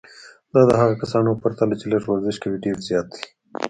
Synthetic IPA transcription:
d̪ɑd̪əɦaɣakasɑnopaɾt̪alat͡ʃelaʂwaɾzɪʃkawiɖeɾzjɑːt̪̚d̪i̥

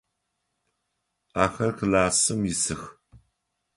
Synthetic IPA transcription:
aːxɐrxɨlaːsɨmjɪsɨx

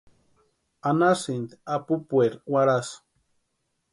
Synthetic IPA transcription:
anasind̪apupueɾwaɾas

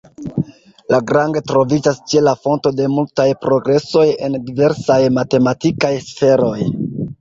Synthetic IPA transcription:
laɡɾaŋɡetɾo̞vid͡ʒast͡ʃe̞lafo̞nto̞de̞multajpɾo̞ɡɾe̞so̞je̞̰ndive̞ɾsajmate̞matikajsfe̞ɾo̞j

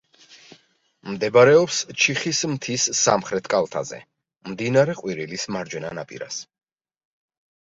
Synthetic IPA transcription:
md̪ɛbaɾɛɔpst͡ʃʰiχismt̪ʰisːa̰mχɾɛt̪ʰkʼalˠt̪ʰa̰zɛ̰ | md̪inaɾɛqʼwiɾilismaɾd͡ʒwɛnanapʼḭɾa̰s

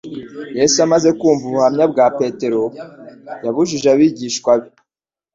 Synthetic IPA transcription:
je̞suamaze̞kuːɱvuβuhamɲabɡaːpe̞te̞ɾo̞ | jaβuʒiʒaβiɟiːʃkwaβi

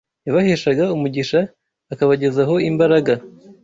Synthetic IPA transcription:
jaβaheʃaɡaumuɟiʃaː | kaβaɟe̞zaɦo̞imbaɾaɡa

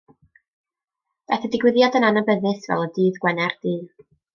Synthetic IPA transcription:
b̥ɛθədɪɡwɪðjadənanabəðɪsvɛ̰lˠədiːðɡwɛnɛrd̥iː

